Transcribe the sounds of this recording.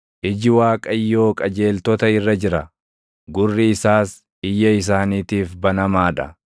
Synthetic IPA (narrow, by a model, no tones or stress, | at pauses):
ʔɪd͡ʒɪwaːkʼɐjːo̞ːkʼɐd͡ʒe̞ːlt̪ɔt̪ɐɪrːɐd͡ʒɪɾɐ | ɡʊrːɪɪsaːs | ɪjːɐɪs̬aːniːt̪iːfbɐnɐmaːᶑɐ̰